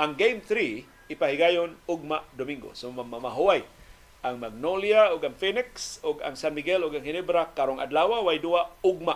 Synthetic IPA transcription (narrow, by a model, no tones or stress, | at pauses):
ʔaŋɡejmθɾi | ɪpahɪɡajonʊɡ̚maʔd̪omiŋɡo̰somamamaɦʊwaj | ʔaŋmaɡ̚noljaʊɡaŋfinɪksʊɡa̰ŋsanmiɡɛlʊɡaŋhɪnɛbɾakaɾoŋa̰d̪lawawajduaʊɡ̚maʔ